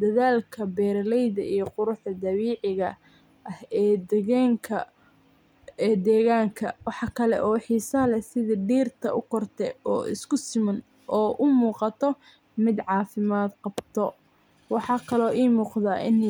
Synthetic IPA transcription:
d̪ɐðaːlkʰɐbɛːɾlɛjðɐ̰ʔijɞqʊɾʊħd̪ɐd̪ɐβiːʕɪɣɐ | ʔɐhɛːd̪ɛɣɛːŋkʰɐ | ɛːd̪ɛːɣaːŋkʰɐwɑħɑkʰɐlɛ̰ʔɔːħiːsɐlɛsɪðɐɖiːrt̪ʰɐʔʊkʰɔrt̪ʰɛɔːʔɪ̰skʰʊsɪmɐn | ʔɔːʔʊmuːqɑt̪ʰɔ | mɪd̪ʕɑːfɪmaːd̪qɑbt̪ʰɔ | wɑħɑːkʰɐlɔːʔiːmuːqðaːʔɪn

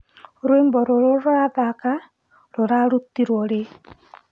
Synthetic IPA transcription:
ɾwembɔɾoɾoɾaðaka | ɾoɾaɾutiɾwɔɾe

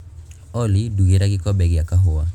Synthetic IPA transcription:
ɔliduɡiɾaɡikɔbɛɡiakaɦowa

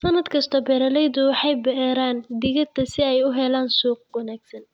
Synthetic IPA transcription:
sɐnɐd̪kʰɐst̪ʰɔbɛːɾɐlɛjðʊwɑħɑjbɛɾaːnd̪ɪɣɐt̪ʰːɐsɪɛjʊɦɛlaːnsuːq̚wɐnaːɡsɐn

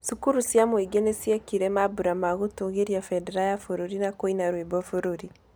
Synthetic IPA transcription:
sukuɾusjamweɡenesiakiɾɛmabuɾamaɣotoŋɣeɾjafɛdɛɾajafoɾoɾinakoinaɾwebɔfoɾoɾi

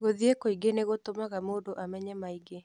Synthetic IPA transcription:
ɣoðjekoiɡeneɣot̪omaɣamoːdoʔamɛɲɛmaiɡe

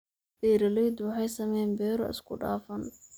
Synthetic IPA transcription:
d̪̥ɛːɾɐlɛjd̪wɑħɑjsɐmɛnbɛːɾɔ̰ʔɪ̰skʰʊɖa̰ːfɐn

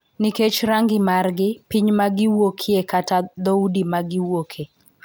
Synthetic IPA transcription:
niket͡ʃɾaŋɡɪmarɡɪpiɲmaɡɪwokʰiekatad̪oudimaɡɪwokʰe

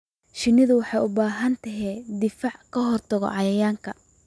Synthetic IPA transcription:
ʃɪnɪðʊwɑħɑjʊbaːɦɐnt̪ʰɐɦɛːd̪ɪfaʕkʰɐɦɔrt̪ʰɐɣɔ̰ʕɑjɐjaːŋkʰɐ

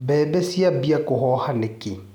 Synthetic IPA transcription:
bɛːbɛsiabiakʼʊhɔhanɪkʼɪ

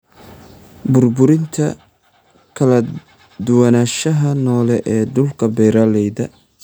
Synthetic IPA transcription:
bʊrbʊɾɪnt̪ʰɐ | kʰɐlɐ | d̪ʊwɐnaːʃɐɦɐnɔːlɛʔɛːɖʊlkʰɐbɛjɾaːlɛjðɐ

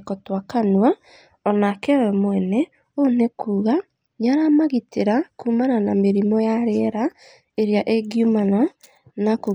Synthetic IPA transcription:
kɔtwakanwa | ɔnakɛwɛmwɛnɛ | onekʰuːɣa | ɲaɾamaɣiteɾakuːmananameɾimɔjaɾeɾa | eɾjaʔeɡjumana | nako

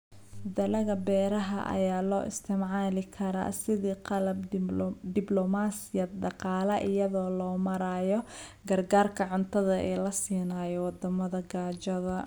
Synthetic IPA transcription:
fʊðɐlɐɣɐbɛːɾɐɦɐ̰ʔɐ̰jaːlɔːʔɪ̰st̪ʰɪmʕaːlɪkʰɐɾa̰ːsɪðiːqɑlɐb̚d̪ɪblɔmaːsɪjɐɖɑqɑːlɐʔɪjɐðɔːlɔːmɐɾaːjɔ | ɡɐrɡaːrkʰɐʕʊnt̪ʰɐðɐʔɛːlɐsiːnaːjɔwɑd̪ɐmɐðɐɡaːt͡ʃɐðɐ

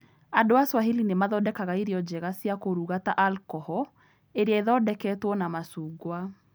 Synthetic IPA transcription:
adoaswaɦelinemaðɔdɛkaɣaiɾiɔd͡ʑɛɣasjakoɾuɣataʔalkɔhɔ | eɾeaeðɔdɛkɛːtwɔnamasuːɡwa

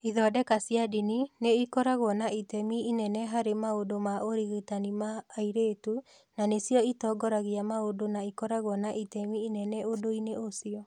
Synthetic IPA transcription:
iðɔdɛkasjadinineikɔɾaɣwɔnaitɛmiinɛnɛɦaɾemaodomaoɾiɣetanimaːiɾetu | nanesjɔitɔɡɔɾaɣiamaodonaikɔɾaɣwɔnaʔitɛmiːnɛnɛodoineosiɔ

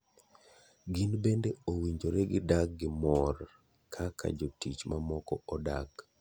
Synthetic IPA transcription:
ɡinbendeowiɲd͡ʒoɾeɡɪdak̚ɡɪmɔr | kʰakʰa̰d͡ʒotit͡ʃmamɔkɔɔdak

